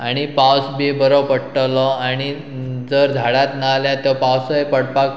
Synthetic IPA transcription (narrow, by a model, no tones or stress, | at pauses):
aɽ̃ipawsbibəɾowpəɽʈəlɔañi | d͡zəɾd̪ʱaɽat̪naljat̪ɔpawsɔjpəɽpak